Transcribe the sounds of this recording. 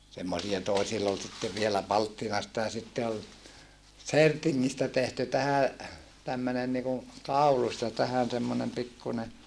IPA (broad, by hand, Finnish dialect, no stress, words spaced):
semːosijɑ toesilː ol sitːe ʋielæ pɑltːinɑstɑ jɑ sitːe ol sertiŋːistæ tehty tæhæ tæmːønen niku kɑulus jɑ tæhæn semːonem pikːune